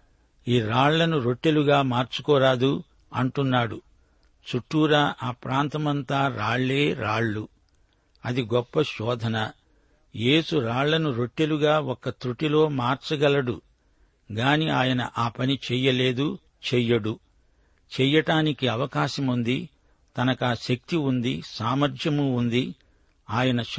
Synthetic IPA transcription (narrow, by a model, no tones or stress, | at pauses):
iːɾaːɭlɐnuɾo̞ʈːeluɡaːmaːɾt͡ʃu̥kɔːɾaːd̪u | ɐɳʈunːaːɽu | t͡ʃuʈːuːɾaʔaːpɾaːnt̪ɐmɐnt̪aːɾaːɭːeːɾaːɭːu | ɐd̪iɡɔpːɐʃɔːd̪ʱɐnɐ | je̞ːsuɾaːɭːɐnuɾo̞ʈːeluɡaːɔkːɐt̪ɾuʈilo̞ːmaːɾt͡ʃɐɡɐlɐɽu | ɡaːniaːjɐnɐ̰ʔaːpɐnit͡ʃɛːjɐle̞ːd̪u | t͡ʃɛjɐɽu | t͡ʃɛjɐʈaːnikiɐʋɐkaːʃɐmund̪i | t̪ɐnɐkaːʃɐk̚t̪iund̪isaːmɐɾd͡ʒʱjɐmuːnd̪i | aːjɐnɐ